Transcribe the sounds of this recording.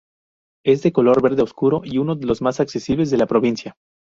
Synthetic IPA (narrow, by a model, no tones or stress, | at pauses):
e̞zðe̞ko̞lo̞ɾβe̞ɾðe̞oskuɾo̞ʔiuno̞ðe̞lo̞zmasakse̞siβle̞zðe̞lapɾo̞β̞insja